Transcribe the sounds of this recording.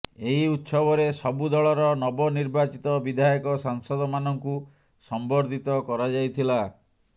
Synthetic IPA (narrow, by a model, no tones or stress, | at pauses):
eɦiut̪sɔbɔɾesɔbud̪ɔɭɔɾɔnɔbɔniɾbat͡ʃit̪ɔbid̪ʱajɔkɔsaŋsɔd̪ɔmanɔŋku | sɔmbɔɾd̪ʱit̪ɔkɔɾad͡ʒajt̪ʰila